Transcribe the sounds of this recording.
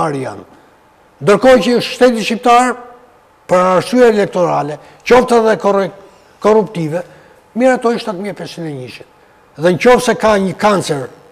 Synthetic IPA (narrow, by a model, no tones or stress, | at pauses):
aɾija̰n | nd̪əɾkɔcəʃt̪ɛt̪̬iʃip̚t̪aɾ | pəɾaːɾsyɛɛlɛk̚t̪ɔɾalɛ | cɔft̪aðɛ | kɔrupt̪ivɛ | miɾat̪ɔjʃt̪at̪miɛpɛsinɛɲiʃit̪ | ðɛɲcɔft̪sɛkaɲəkant͡sɛɾ